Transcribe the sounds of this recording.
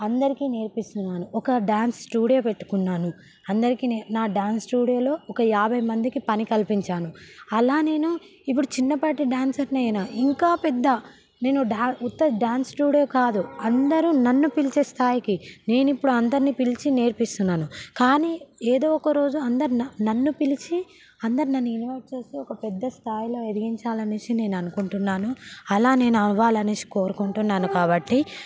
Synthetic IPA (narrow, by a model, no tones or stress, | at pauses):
ɐnd̪ɐɾikiːne̞ːɾpist̪unːaːnuɔkɐɖaːnsʈuːɽijoːpe̞ʈːu̥kunːaːnu | ɐnd̪ɐɾikineːnaːɖaːnsʈuːɽijo̞ːlo̞ːʔɔkɐjaːbʱɐjmɐnd̪ikipɐnikɐlpiɲt͡ʃaːnuɐlaːne̞ːnu | ip̬ːuɽut͡ʃinːɐpaʈiɖaːnsɐɾnɐjnaːʔiŋkaːpɛd̪ːɐ | ne̞ːnuɖaːut̪ːɐɖaːnsʈuːɽijo̞ːkaːd̪uɐnd̪ɐɾunɐnːupilit͡ʃeːst̪ʰaːjikine̞ːnuipːuɽuɐnd̪ɐɾnipilit͡ʃine̞ːɾpist̪unːaːnukaːniːeːd̪o̞ːɔkɐɾo̞ːd͡ʒuɐnd̪ɐɾinɐnɐnːupilit͡ʃi | ɐnd̪ɐɾinɐnːuinʋɐɾʈ̚t͡ʃe̞ːst̪eːɔkɐpɛd̪ːɐst̪ʰaːjlo̞ːed̪iɡiɲt͡ʃaːlɐniʃine̞ːnɐnukuɳʈunːaːnuɐlaːne̞ːnuɐnʋaːlɐnisi̥ko̞ːɾukuɳʈunːaːnukaːbɐʈːi